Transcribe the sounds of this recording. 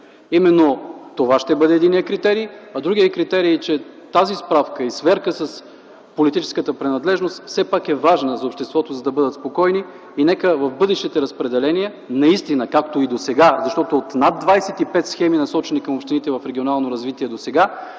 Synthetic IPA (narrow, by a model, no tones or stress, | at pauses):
imɛnːot̪ovaʃt̪ɛbɤd̪ɛːd̪inijəkɾit̪ɛɾijɐd̪ɾuɡʲiəkɾit̪ɛɾit͡ʃɛt̪azispɾafkəisvɛɾkəsəs | polit̪it͡ʃɛ̥skət̪əpɾɛnɐd̪lɛʒnost̪fsɛpakɛvaʒnəzɐopʃt̪ɛst̪vɔt̪ozɐd̪ɐbɤd̪ət̪spokɔjniː | nɛkəvɐfbɤd̪ɛʃt̪it̪ɛɾəspɾɛd̪ɛlɛniɛ | nɐist̪inəkakt̪oid̪osɛɡazɐʃt̪ɔt̪oot̪nad̪vajsɛt̪ipɛt̪sxɛminɐsɔt͡ʃɛnikɐmopʃt̪init̪ɛvɐfɾɛɡʲionalˠnoɾɐzvit̪iɛd̪osɛɡa